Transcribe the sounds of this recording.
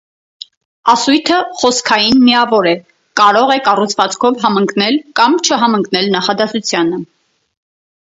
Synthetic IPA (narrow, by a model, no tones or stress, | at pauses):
ɑsujt̪ʰəχɔskʰɑjinmiɑvɔɾɛ | kɑɾɔʁɛkɑrut͡sʰvɑt͡skʰɔvɦɑməŋkʰnɛlkɑmt͡ʃʰəɦɑməŋknɛlnɑχɑd̪ɑsut͡sʰjɑnə